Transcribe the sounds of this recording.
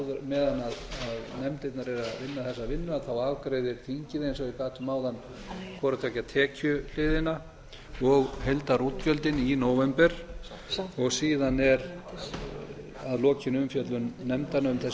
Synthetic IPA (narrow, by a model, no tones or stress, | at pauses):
ðʏmɛːðanːaðaðnɛmt̪ejt̪naɾɛɾaðvɪnːaθɛsːavɪnːʏaθawaːvkɾeːjðɪɾ̥θʰiɲcɪðejnsɔikaːht̪ʏmaːwðan | kʰvɔːɾat̪ʰɛːcat̪ʰɛːcʰʏl̥ɪːðɪna | ɔɣhejlt̪aɾuːt̪cœlt̪ɪninoːwvɛmpɛɾ̥ | ɔɣsiːðanɛɾ | aðlɔːcʰɪnʏmfjœt̪lʏnːɛmt̪anaʏmθɛs